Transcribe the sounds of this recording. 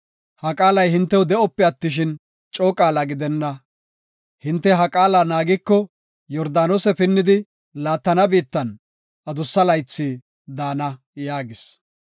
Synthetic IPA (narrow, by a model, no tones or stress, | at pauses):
hɐkʼaːlɐjhɪnt̪ːɛwʊd̪ɛɔpːɪɐt̪ːɪʃ̬ɪn | t͡ʃʼoːkʼaːlɐɡɪd̪ɛnːɐ | hɪnt̪ːɛɦɐkʼaːlɐnaːɡɪkːɔ | jɔɾd̪aːnoːsɛpɪnːɪd̪ɪ | laːt̪ːɐnɐbiːt̪ːɐn | ʔɐd̪ʊsːɐlɐjt͡sːiː | d̪aːnɐ | jaːɡɪs